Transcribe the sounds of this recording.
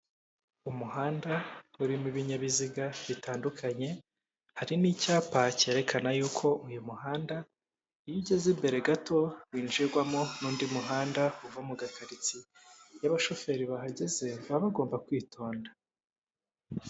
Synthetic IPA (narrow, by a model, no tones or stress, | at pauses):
umuɦaːndauɾimuβiɲaβiziɡaβitaːndukʰaɲe̞ | haɾiniːcaːpace̞ːɾe̞kʰanajuːkʰo̞ʔujumuɦaːnda | ijiɟezimbe̞ɾe̞ɡatʰo̞βiːnd͡ʒiɾɡwamonuːndimuɦaːndauvamuɡakʰaɾit͡sijaβaʃo̞fe̞ɾiβaɦaɟe̞ze̞βaβaɡo̞ːmbakwiːtʰo̞ːnda